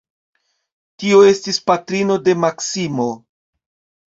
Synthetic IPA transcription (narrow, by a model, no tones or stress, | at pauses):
tio̞e̞stispatɾino̞de̞maksimo̞